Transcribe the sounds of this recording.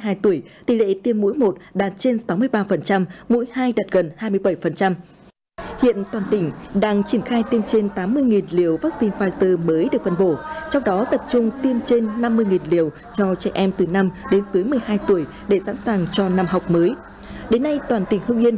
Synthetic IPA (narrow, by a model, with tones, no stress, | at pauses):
jɦaː˧jt̪u˧˩əjt̪i˧˩lḛ˧˥t̪i˧əmːṵ˧˥jmo˨˩t̚ɗaː˨˩t̚t͡ɕe˧nsa˨˦wmɨ˧əjɓaː˧fə˨˩nt͡ɕa˧mmṵ˧˥jhaː˧jɗa˨˩t̚ɣə˨˩nhaː˧jmɨ˧əjɓə˧˩jfə˨˩nt͡ɕa˧m | hḭ˧˨ənt̪waː˨˩nt̪ï˧˩ŋ̟ɗaː˧ŋt͡ɕi˧˩ənxaː˧jt̪i˧mt͡ɕe˧nt̪aː˨˦mːɨ˧əjŋi˨˩nli˨˩əwvaː˦˥k̚si˧nfaː˧jəː˧məː˨˦jɗɨ˨˩ək̚fə˧˩nɓo˧˩t͡ɕɔ˧wŋ͡mɗɔ˨˦t̪ə˨˩p̚t͡ɕʊ˧ŋ͡mt̪i˧əmt͡ɕe˧nːa˧mːɨ˧əjŋi˨˩nli˨˩əw | t͡ɕɔ˧t͡ɕɛ˧˩ʔɛ˧mt̪ɨ˨˩na˧mɗe˨˦nsɨ˨˦jmɨ˨˩əjɦaː˧jt̪u˧˩əj | ɗe˧˩sa̰˧˥nsaː˨˩ŋt͡ɕɔ˧na˧mha˨˩wk͡p̚məː˨˦j | ɗe˨˦nːa˧jt̪waː˨˩nt̪ï˧˩ŋhɨ˧ŋʔi˧ən